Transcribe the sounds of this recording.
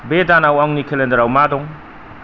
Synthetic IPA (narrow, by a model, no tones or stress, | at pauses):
bedanawaŋnikʰelendɐɾawmadɔŋ